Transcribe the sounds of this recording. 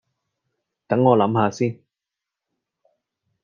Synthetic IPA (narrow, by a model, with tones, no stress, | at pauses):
t̪ɐ˨˥ŋːɔː˨˧lɐ˨˥mhaː˧siː˥n